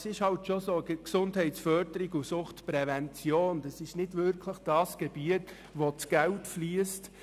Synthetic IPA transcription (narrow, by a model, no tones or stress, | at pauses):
sɪʃhɑltʃosoksʊndhɛɪtsfœɾdəɾɪɡusʊχtpɾɛvɛnt͡sjoːnd̥ɑsɪʃnɪdvʏɾkʰləχd̥ɑːsɡ̥ɛb̥iət | ʋot͡sɡ̥ɛltfliəst